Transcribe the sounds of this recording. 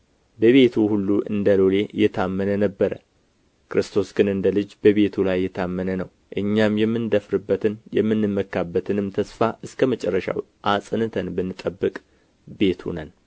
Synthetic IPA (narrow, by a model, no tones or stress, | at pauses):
bəβe̞t̪ʰuhulːuʔɨ̰nd̪əlo̞le̞ɨjːɛt̪ʰamːənənəbːəɾə̰ | kɾɨst̪ʰo̞sɡɨnɨnd̪əlɨd͡ʒbəβe̞t̪ʰulajːɛt̪ʰamːənənəw | ʔɨɲːamjɛmːɨnd̪əfɾɨbːət̪ʰɨnjɛmːɨnːɨmːəkːabːət̪ʰɨnɨmt̪ʰəsfaʔɨskʰəmət͡ʃʼɛrːəʃa̰w | ʔasʼɨnɨt̪ʰənbənːɨt̪ʼːəbːɨkʼ | be̞t̪ʰhṵnən